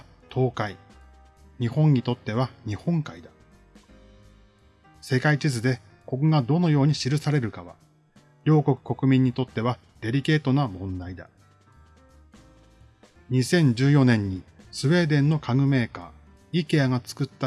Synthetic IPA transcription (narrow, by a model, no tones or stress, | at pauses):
t̪ʰo̞ːkai | ɲ̟ihõ̞ɲ̟it̪o̞t̪ːe̞βaɲ̟ihõ̞ŋkaid̪a | se̞kait͡ɕizɨd̪e̞ | ko̞koɡad̪o̞no̞jo̞ːɲ̟iɕiɾɯ̟saɾe̞ɾɯ̟kaβa̰ | ɾʲo̞ːko̞kɯ̟̥ko̞kɯ̟mʲĩɲ̟ːit̪o̞t̪ːe̞βa | d̪̥e̞ɾʲike̞ːt̪o̞namõ̞nd̪aid̪a̰ | ɲ̟isẽ̞ɲ̟d͡ʑɨːjo̞nẽ̞ɲ̟ːisɨβe̞ːd̪ẽ̞nːo̞kʰaɡɯ̟me̞ːka̰ː | ike̞aɡat͡sɨ̥kɯ̟t̪ːa